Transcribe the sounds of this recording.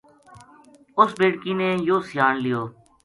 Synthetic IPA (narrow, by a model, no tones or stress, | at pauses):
ʊsbeːɽkiːneːjoːsɪjaːnlɪjoː